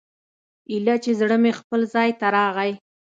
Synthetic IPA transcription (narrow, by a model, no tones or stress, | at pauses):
ilat͡ʃezɽəmexpəlzɑjt̪aɾɑɣaj